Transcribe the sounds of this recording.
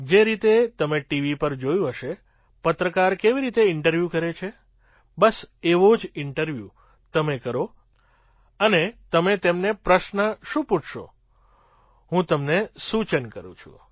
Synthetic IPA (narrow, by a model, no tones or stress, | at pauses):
d͡ʒeɾit̪et̪əmeʈiʋipəɾd͡ʒojũɦəʃe | pət̪ɾəkaɾkeʋiɾit̪eɪɳʈəɾʋjukəɾet͡ʃʰe | bəseʋod͡ʒɪɳʈəɾʋjṵ | t̪əmekəɾo | ənet̪əmet̪emnepɾəʃnəʃũpuʈʰʃo̰ | ɦũt̪əmnesut͡ʃənkə̰ɾṵ̃t͡ʃʰṵ̃